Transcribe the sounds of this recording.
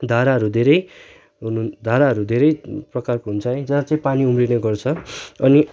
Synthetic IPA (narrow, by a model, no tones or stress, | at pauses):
d̪ʱaɾaɦʌɾud̪ʱeɾʌj | ɦund̪ʱaɾaɦʌɾud̪ʱeɾʌjprʌkarkoɦunt͡sʰʌd͡zʌat͡saĩpaniumrineɡʌrt͡sʰʌʌni